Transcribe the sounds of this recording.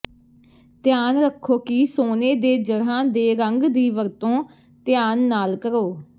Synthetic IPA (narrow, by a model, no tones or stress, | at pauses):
t̪jaːnɾəkʰːoːkiːsoːneːd̪eːd͡ʒəɽãːd̪eːɾəŋɡd̪iːʋəɾt̪õː | t̪ɪjaːnːaːlkəɾoː